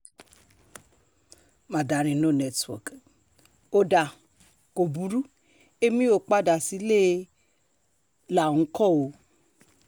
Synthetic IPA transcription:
mã˨da˨˦ɾ̃ĩ˧nõ˦˨nɛ˧twɔ̰˨k | o˧da˨ | ko˨bu˨˦ɾu˦ | e˦mĩ˦o˦˨k͡pa˦da˨si˨˦le˦ | la˨ũ˨˧˦kɔ˦˨o˧

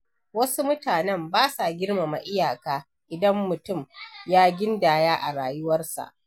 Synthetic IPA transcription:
wɐ˦su˦mʊ˦taː˨nɛ˦mbaː˦sa˨ɡʲɪ˦rma˨ma˨ʔɪ˦jaː˨kaː˦ | ʔɪ˨dɐ˦mːʊ˨tʊ˦˨mjaː˦ɡʲɪ˦ndaː˨jaː˦ʔa˨ɽaː˨jʊ˦wɐ˦rsa̰˨ʔ

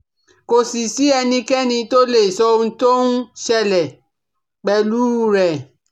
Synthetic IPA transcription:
ko˨si˨si˨˦ɛ˧nĩ˧kɛ˦nĩ˧to˦le˦˨sɔ˧õ˧˦˧to˦nũ˦ʃɛ˦˧lɛ˨ | k͡pɛ˨lu˨˦˨ɾɛ˨

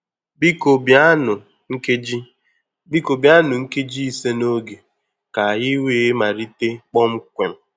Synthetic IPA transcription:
bi˦ko˨bja˦nʊ˨ | ŋ̩˦ke˦d͡ʒi˦ | bi˦ko˨bja˦nʊ˨ŋ̩˦ke˦d͡ʒi˦i˦se˦no˦ɡe˨ | ka˨jɪ˦we˦˨˦ma˨ɾi˦te˦k͡pɔ˦m̩˦kʷe˨m̩˨

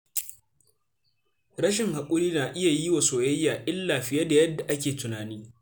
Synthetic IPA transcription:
ɾɐ˦ʃɪ˨ŋha˨kʷʼʊ˦ɽiː˦naː˨ʔɪ˦ja˨ji˦wa˨soː˨jɐ˦jːaː˨ʔɪ˦lːaː˨ɸɪ˦ja˦da˨jɐ˦dːa˨ʔa˦kʲeː˨tʊ˨naː˨niː˦

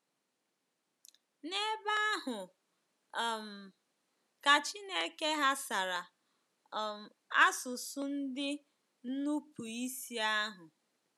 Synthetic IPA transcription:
ne˦ba˦a˦ɦʊ˨ | m̩˨ | ka˨t͡ʃi˦ne˦ke˦ɦa˦sa˨ɾa˨ | m˨ | a˦sʊ˨sʊ˦n̩˦dɪ˦ | n̩˦nu˦pu˨i˦si˦a˦ɦʊ˨

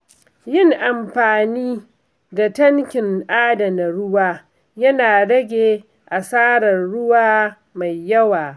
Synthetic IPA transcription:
jɪ˦ŋʔa˨mɸaː˨niː˦ | da˨tɐ˦ŋkʲɪ˨ŋʔaː˦dɐ˨na˨ɽʊ˦waː˦ | jɐ˦naː˨ɽɐ˦ɡʲeː˨ | ʔa˨saː˦ɽɐ˨rɽʊ˦waː˦ | ma˨jːɐ˦waː˨

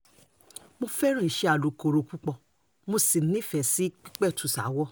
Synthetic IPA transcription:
mo˧fɛ˦ɾ̃ĩ˦˨i˨ʃɛ˧a˨lo˨ko˨ɾo˧ku˦k͡pɔ˧˨ | mo˧si˨˦nĩ˦˨fɛ˨si˨˦k͡pi˦k͡pɛ˦˨tu˨sa̰˨˦wɔ˦˨

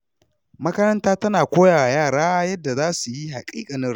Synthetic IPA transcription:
mɐ˦kɐ˦ɾɐ˦ntaː˦tɐ˦naː˨kʷoː˦jaː˨wa˨jaː˦˨ɽaː˦jɐ˦dːa˨zaː˦su˨ji˦ɦa˨kʼiː˦kʼa˨nɪ˦ɽ

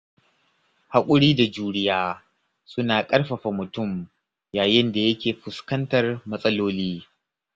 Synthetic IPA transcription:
ha˦kʷʼʊ˦ɽiː˦da˨d͡ʒuː˦ɽɪ˦jaː˦ | sʊ˦naː˨kʼɐ˦rɸɐ˨ɸa˨mʊ˨tʊ˦˨m | jaː˨jɪ˦nda˨jɐ˦kʲeː˨ɸʊ˨skɐ˦ntɐ˨rmɐ˦sʼɐ˦loː˦liː˦

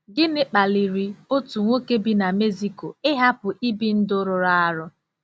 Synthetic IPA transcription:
ɡɪ˦nɪ˦k͡pa˨li˨ɾi˨o˦tu˨ŋʷo˦ke˦bi˦na˨me˦zi˦ko˨ɪ˦ɦa˦pʊ˨ʔi˦bi˦n̩˦dʊ˦ɾʊ˨ɾa˦a˦ɾʊ˦

